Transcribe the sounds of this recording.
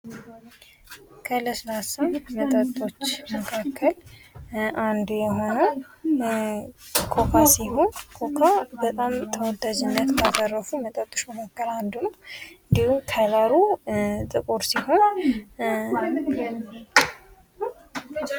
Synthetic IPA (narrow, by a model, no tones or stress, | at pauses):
kʰələsɨnasəwmət̪ʼət̪ʼːo̞t͡ʃːməkʰakʰːəl | ʔand̪ujɛɦo̞nə | kʰo̞kʰasiho̞nkʰo̞kʰabət̪ʼamt̪ʰəwɔd̪ad͡ʒɪnːət̪mazʼərːəfumət̪ʼət̪ʼːo̞t͡ʃməkʰakːəland̪unəwɨnd̪ihut̪ʰalaɾut̪ʼɨkʼoɾsiho̞n